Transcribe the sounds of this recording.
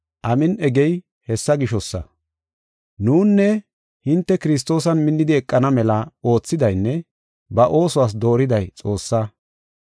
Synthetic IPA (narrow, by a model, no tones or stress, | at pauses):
ʔɐmɪnɛɡɛj | hɛsːɐɡɪʃɔsːɐ̰ | nuːnːɛ | hɪnt̪ːɛkɪɾɪs̬t̪o̞ːsɐnmɪnːɪd̪ɪɛkʼːɐnɐmɛlɐo̞ːt͡sːɪd̪ɐjnːɛ | bɐʔo̞ːsʊwaːs̬d̪o̞ːɾɪd̪ɐjt͡sʼo̞ːsːɐ